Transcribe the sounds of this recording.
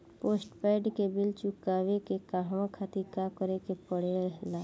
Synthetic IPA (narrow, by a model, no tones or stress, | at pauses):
poːsʈpɛɪɖkebɪlt͡ʃʊkaːwekekaɦʋãkʰaːt̪ikakəɾekepəɽeəɦlaː